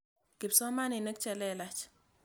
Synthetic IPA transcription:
kɪ˨psɔ˦ma˦ni˨nə˦k̚t͡ʃɛ˨lɛ˦la˦t͡ʃ

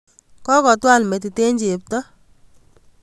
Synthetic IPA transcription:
kɔ˦kɔ˨twa˦˨lme˨t̬i˨te˦ɲd͡ʒe˨p̚tɔ˦

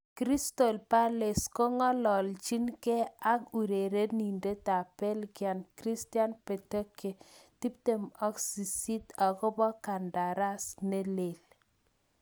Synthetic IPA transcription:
kɾi˦sto˨lpa˦le˨skɔ˦ŋɔ˦lɔ˨lt͡ʃi˦nke˦a˦ku˨ɾe˨ɾe˦ni˨nde˦ta˨pe˦lɡja˨nkɾi˦stja˦npe˨te˦ke˨ti˦p̚te˨mɔ˦ksi˨si˦ta˨kɔ˦bɔ˦ka˨nda˨ɾa˦sne˦le˨l

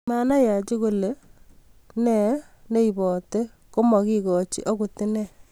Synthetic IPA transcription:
ma˦na˦ja˨t͡ʃi˦ko˦le˨ | nɛ˨ | ne˦i˨bɔ˨te˦ | ko˦mɔ˨ki˦kɔ˨t͡ʃḭ˦ʔɔ˦ku˨tɪ˦nɛ˦˨

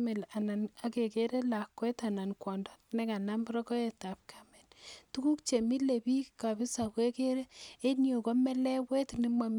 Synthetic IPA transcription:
me˨la˨na˨na˨ke˨ke˦ɾe˦la˨kːwɛ˦ta˨na˨nkwɔ˨ndɔ˦nɛ˦ka˨na˦mbɾɔ˦kɔ˦e˨ta˨p̚kʰa˨mɛ˨ntu˦ku˦kt͡ʃe˨mi˦le˨bi˦ka˨bɪ˦sa˨kwe˦ke˦ɾe˦e˦njo˨ko˦mɛ˦lɛ˦we˦tni˦ma˨m

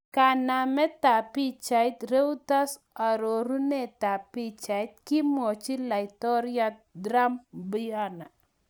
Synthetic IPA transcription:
ka˨na˨mɛ˦t̪a˨pi˦t͡ʃa˨jt̪ɾe˦wt̪a˦s | a˨ɾo˨ɾu˦nɛ˦t̪a˨pi˦t͡ʃa˨jt̪̚kɪ˦mɔ˨t͡ʃi˦la˨ɪt̪ɔ˦ɾja˦tdɾa˦mbi˦a˦na˨

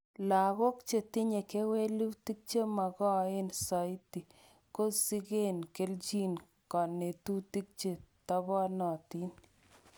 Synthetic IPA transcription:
la˨ɣo˦kt͡ʃe˨tɪ˦ɲe˨ke˦we˦lu˦ti˦k̚t͡ʃe˦ma˨ɣɔ˦e˦nsa˨ɪ˦ti˨ | ko˦si˦ɡe˦nke˦ld͡ʒi˦n | kɔ˨ne˨tu˦ti˦k̚t͡ʃe˦ta˦bɔ˦nɔ˨ti˦n

